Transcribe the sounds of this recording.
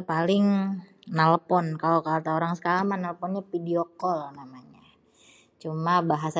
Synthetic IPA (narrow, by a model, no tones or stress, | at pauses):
palɪŋ | nalpɔnkalokalt̪aoɾaŋsə̥kalamanaləpɔnɲapidiɔkɔlnamaɲa | t͡ʃumabaɦasa